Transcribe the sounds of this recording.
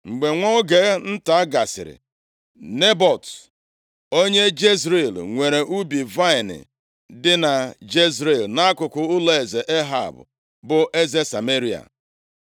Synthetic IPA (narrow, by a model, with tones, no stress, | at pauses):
ŋ͡m̩˨ɡ͡be˨ŋʷɔ˦ɡe˨˦n̩˦ta˨a˦ɡa˨sɪ̰˨ɾɪ̰˨ | ne˦bɔ˨t | o˦ɲe˦d͡ʒe˦zɾe˨lŋʷe˨ɾe˨ʔu˦bi˨va˦ɪ˨nɪ̰˨ | dɪ˦na˨d͡ʒe˦zɾe˨lna˦a˦kʊ˨kʊ˨ʊ˦le˨ze˨ʔe˦ɦa̰˨bʊ̰˨ | bʊ˨ʔe˦ze˦sa˨me˦ɾi˨a̰˨